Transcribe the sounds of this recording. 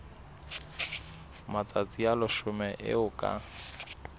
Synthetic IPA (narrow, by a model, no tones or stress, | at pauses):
mat͡sʼat͡sʼialʊʃʊmɛʔɪ̰ʊkʼa̰